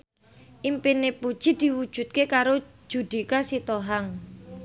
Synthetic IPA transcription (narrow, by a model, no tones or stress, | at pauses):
ʔimpinepud̥ʒ̥i̤d̪̥i̤wud̥ʒ̥ṳt̪̚kekaɾo̥ | ʒ̥ṳd̪̥i̤kasit̪oɦaŋ